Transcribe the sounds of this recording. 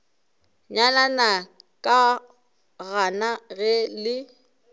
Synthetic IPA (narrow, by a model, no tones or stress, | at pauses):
ɲalanakʼa | ɣanaɣɛlɪ